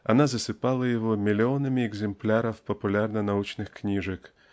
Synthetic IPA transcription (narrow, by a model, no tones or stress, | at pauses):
ɐ̰nazɐsɪpɑlˠɐjɔɦɔmʲilʲiɔnɐmʲiɛɡzemplʲaɾɐwpɐpʊlʲarnɐnɐut͡ʃnɪxknʲiʒɐk